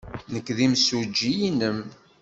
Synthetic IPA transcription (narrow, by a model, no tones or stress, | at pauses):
nəkːðimsud͡ʒːijinəm